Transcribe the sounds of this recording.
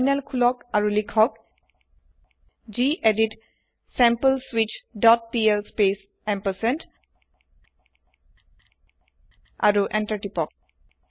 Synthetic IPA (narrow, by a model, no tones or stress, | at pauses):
jnɛlkʰulɔkaɹulikʰɔk | ziʔedit | sɛmpəlswit͡ʃdɔt̚piɛlspes | ɛmpəsɛnt | a̰ɹuʔɛntaɹʈipɔk̚